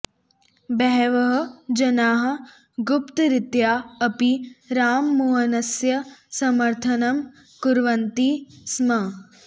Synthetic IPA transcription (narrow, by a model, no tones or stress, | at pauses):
bɛɦʋɐɦɐ̆d͡ʒɐnaːɦɐ̆ | ɡʊpt̪ɾɪt̪jaːɐpiɾaːmːuɦɐnɐsjɐsɐmɐɾt̪ʰɐnɐm | kuɾʋɐnt̪ismɐ